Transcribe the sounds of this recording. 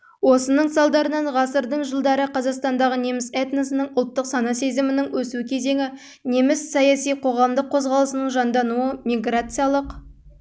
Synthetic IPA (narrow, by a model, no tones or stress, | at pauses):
wo̞sənəɴsɑlˠd̪ɑɾənɑɴʁɑsəɾd̪əɴʒəlˠd̪ɑɾəqʰɑzɑqst̪ɑnd̪ɑʁəne̞mɪset̪nesɪnəɴʊlˠt̪ːəqsɑnɑse̞zɪmɪnɪŋwɵsuɪkʲʰe̞ze̞ŋɪ | ne̞mɪsːɑjɑsijqʰo̞ʁɑmd̪əqʰːo̞zʁɑlˠəsənəɴʒɑnd̪ɑnuəmʲiɡrat̪sɨjalˠəq